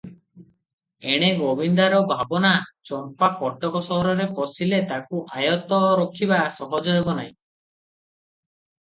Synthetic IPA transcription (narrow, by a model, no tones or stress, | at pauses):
eɽ̃eɡobind̪aɾɔbʱabɔnat͡ʃɔɾpakɔʈɔkɔsɔɦɔɾɔɾekɔsilet̪akuʔajɔt̪ɔɾɔkʰibasɔɦɔd͡ʒɔebɔnaj̃